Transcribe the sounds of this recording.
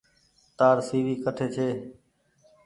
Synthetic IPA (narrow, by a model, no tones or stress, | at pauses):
t̪aːɾsiːʋiːkəʈʰeːt͡ʃʰeː